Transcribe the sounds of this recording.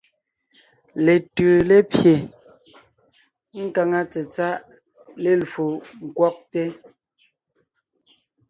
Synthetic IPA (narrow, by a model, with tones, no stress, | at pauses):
le˨tʉ˨le˦pje˨ | ŋ̩˦ka˨ŋa˦t͡sɛ˨t͡sa˦ʔ | le˦˨lfu˨ŋ̩˨kwɔ˦k̚te˦